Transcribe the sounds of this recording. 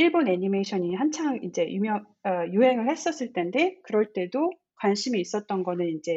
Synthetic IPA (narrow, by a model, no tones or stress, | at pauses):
iɭbone̞ɲimeiɕʰʌɲihant͡ɕʰaŋind͡ʑe̞jumjʌŋ | ʌjuɦe̞ŋɯɭhe̞s͈ʌs͈ɯɭt͈ʰe̞nde̞kɯɾʌɭt͈e̞do | kwanɕʰimiːs͈ʌt̚t͈ʌnɡʌnɯnind͡ʑe̞